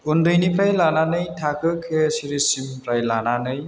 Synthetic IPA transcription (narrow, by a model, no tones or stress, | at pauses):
undɯjnipɾajlananɯjtʰakʰɯkʰesiɾisimpɾajlananɯj